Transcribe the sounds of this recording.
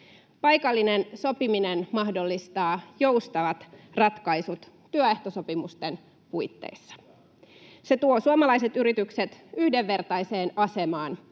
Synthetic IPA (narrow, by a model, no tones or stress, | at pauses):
pɑjkɑlːinenso̞piminenmɑhdo̞lːist̪ɑːjo̞wst̪ɑʋɑt̪rɑt̪kɑjsut̪ːyøeht̪oso̞pimust̪en | pujt̪ːḛisːɑ̥ | se̞t̪uo̞suomɑlɑise̞t̪yɾit̪ykset̪yhdeʋːe̞rt̪ɑjse̞ːnɑse̞mɑːn